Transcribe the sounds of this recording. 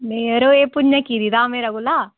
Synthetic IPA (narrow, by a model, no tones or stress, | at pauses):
meːɾoepuɲːɐkid̪id̪aːmeɾɐɡula